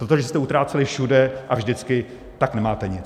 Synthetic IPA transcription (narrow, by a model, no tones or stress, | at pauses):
pɾot̪oʒɛst̪ɛut̪ɾaːt͡sɛlɪfʃudɛʔavʒdɪt͡skɪ | t̪aknɛmaːt̪ɛɲɪt͡s